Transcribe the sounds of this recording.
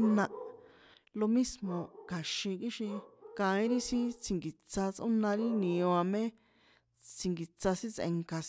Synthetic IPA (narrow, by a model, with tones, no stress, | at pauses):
nã˧ | lo˧mĩ˦smõ˧ka˨ʃĩ˧ki˦ʃĩ˧kã˨˧ĩ˦ɾi˦sĩ˦t͡sʰi˨ŋɡi˨t͡sa˧t͡sʔõ̰˦nã˧ɾi˦nĩ˨õ˧ã˧mẽ˦ | t͡si˧ŋɡi˨t͡sa˧sĩ˦t͡sḛ̃˧ŋka˧